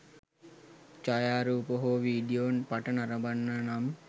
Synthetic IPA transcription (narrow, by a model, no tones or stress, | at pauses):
t͡ʃajaːɾuːpoɦoʋiːɖijonpaʈənaɾəbanːənam